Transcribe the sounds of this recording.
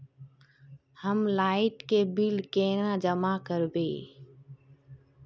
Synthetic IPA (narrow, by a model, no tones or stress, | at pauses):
həmlaːɪʈkeːbɪlkeːnãːd͡ʒəmaːkəɾbḛː